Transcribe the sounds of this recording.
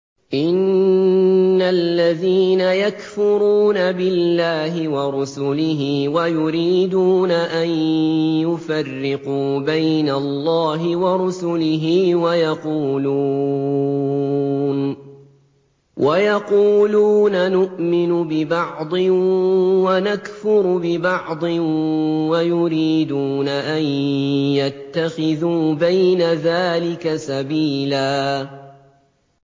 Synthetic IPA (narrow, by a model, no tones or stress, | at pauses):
ʔɪnː | alːaðiːnajakfʊɾuːnabɪlːaːɦɪwɑɾˤʊsʊlɪɦiːwajʊɾiːd̪uːnaʔanjʊfarːɪquːbajnalˤːɑːɦɪwɑɾˤʊsʊlɪɦiːwajɑquːluː | n | wʔajɑquːluːnanʊʔmɪnʊbɪbɑʕd̪ˤɨ | wanakfʊɾbɪbɑʕd̪ˤɨ | wajʊɾiːd̪uːnaʔanjat̪ːaxɪðuːbajnaðaːlɪkasabiːlaː